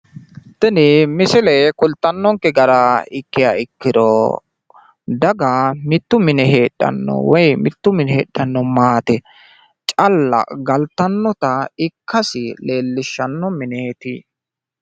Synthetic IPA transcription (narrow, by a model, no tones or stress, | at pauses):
t̪ɪnɪmɪsɪlɛjkʊlt̪ːɐnːɔŋkɛɡɐɾɐɪkːɪjaɪkːɪd̪ɔ̰ | d̪ɐɡamɪt̪ːʊmɪnɛɦe̞ːɗːɐ̰nːɔ̰wɔjmɪt̪ːʊmɪnɛheːɗːɐnːɔmaːt̪ɛ | t͡ʃʼɐlːɐ̰ɡɐlt̪ːɐnːɔt̪ɐɪkːɐsɪle̞ːlːɪʃːɐnːɔmɪnɛt̪ɪ̰